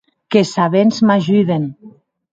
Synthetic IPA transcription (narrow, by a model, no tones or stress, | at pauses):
kesaβenzmaʒuðen